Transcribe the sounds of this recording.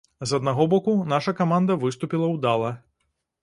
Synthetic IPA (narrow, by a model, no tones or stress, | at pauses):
zɐd̪naɣɔbɔkunaʂɐkamand̪ɐvɨst̪upʲilˠɐwd̪alˠɐ